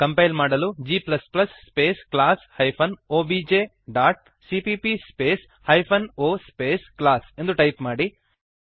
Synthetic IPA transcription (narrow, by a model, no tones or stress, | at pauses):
kɐmpɐjlmaːɽɐlud͡ʒiːplɐsplɐsːpeːsklaːshɐjpʰɐnoːbid͡ʒeː | ɖaːʈ̚ | sipipispeːs | hɐjpʰɐnoːspeːsklaːse̞nd̪uʈɐjpmaːɽi